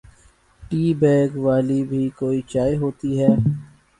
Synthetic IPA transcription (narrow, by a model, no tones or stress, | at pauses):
ʈiːbɛːɡʋaːlibʱikoːit͡ʃaːiɦoːt̪iɦɛː